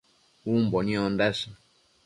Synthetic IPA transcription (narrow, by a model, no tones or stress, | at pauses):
umbɔnĩɔndɛsɔ